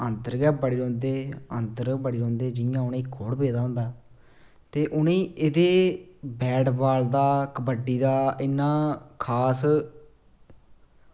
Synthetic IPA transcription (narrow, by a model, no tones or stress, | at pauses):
ənd̪əɾɡɛːbəɽiːɾõːnd̪eːə̰nd̪əɾbəɽiːɾõːnd̪eːd͡ʒɪjãːʊnẽːkʰoːɽpeːd̪aːɦʊ̃nd̪aː | t̪eːʔʊnẽːed̪eːbɛːɖbaːld̪aːkəbəɖiːd̪aːɪnːãːkʰaːs